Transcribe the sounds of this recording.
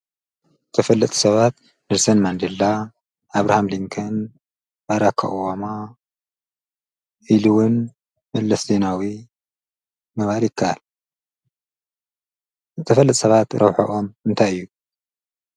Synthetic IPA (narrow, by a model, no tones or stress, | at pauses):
ɨt̪ʰɐfɐlːɨt̪ʼu̥sɐβat̪ | nɨɾsɐnmand̪elːaː | βɾahamliŋkʰɐn | baɾakʰːa̰ʔwama | ʔiluwʊn | mɐlːɐszenawi | mɐβaljɪkʰːaʔal | zɨt̪ʰɐfɐlːɨt̪ʼsɐβat̪ɾɐβħo̰ʔomɨnt̪ʰajɨjːu